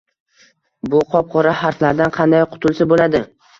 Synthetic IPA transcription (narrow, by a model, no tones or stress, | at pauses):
bʊqʰɒp̚qʰɒɾahaɾt̪laɾd̪anqʰɑnd̪ajqʰʊ̥t̪ʰʊlˠsabolad̪ɪ